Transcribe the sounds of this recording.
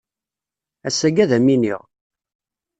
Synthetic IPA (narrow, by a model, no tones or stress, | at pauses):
æsːæɡæðæminiʁ